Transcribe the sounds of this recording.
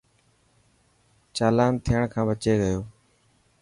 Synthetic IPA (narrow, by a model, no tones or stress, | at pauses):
t͡ʃaːlaːnt̪ʰɪjəɳkʰãːbət͡ʃeːɡəjoː